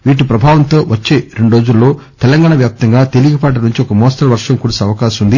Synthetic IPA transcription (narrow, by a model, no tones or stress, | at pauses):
ʋiːʈ̬ipɾɐbʱaːʋɐnt̪o̞ːʋɐt͡ʃːeːɾeɳɖɾo̞ːd͡ʒulːo̞ː | t̪ɛlɐŋɡaːɳɐʋjaːp̚t̪ɐŋɡaːt̪e̞liɡɐpaːʈ̬ɐnuɲt͡ʃiɔkɐmɔːsʈɐlʋɐɾʂɐmkuːɽɐsɐʋɐkaːʃɐmund̪i